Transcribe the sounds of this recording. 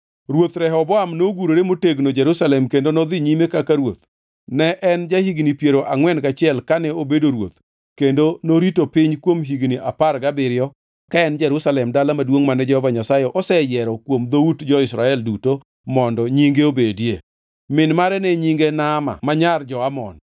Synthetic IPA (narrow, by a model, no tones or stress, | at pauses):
ɾwot̪ɾɛɦɔbɔamnoɡuɾoɾemoteɡnod͡ʒɛɾusalɛmkendonɔd̪ɪɲimekakaɾwot̪̚ | nɛʔɛnd͡ʒahiɡnipjeɾoʔaŋwɛnɡat͡ʃɪɛlkanɛobedoɾwo̰t̪ | kendonoɾitopɪɲkwomɦiɡniʔaparɡabɪɾɪɔ | kaɛnd͡ʒɛɾusalɛmdalamadwoŋmanɛd͡ʒɛhɔvaɲasajɔʔɔsɛjɛɾɔkwomd̪outd͡ʒɔɪsɾaɛlduto | mɔndɔɲiŋɡeobedje | mɪnmaɾɛnɛɲiŋɡenama̰maɲard͡ʒɔamɔ̰n